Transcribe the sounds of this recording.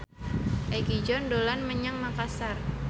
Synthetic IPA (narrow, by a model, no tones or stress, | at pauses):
ʔajkid͡ʒɔndolanməɲaŋmakasar